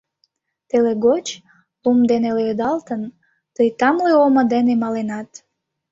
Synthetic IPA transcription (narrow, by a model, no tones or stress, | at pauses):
t̪eleɡot͡ɕ | umd̪eneleød̪ɑlt̪ən | t̪əjt̪ɑmleoməd̪enemɑlenɑt̪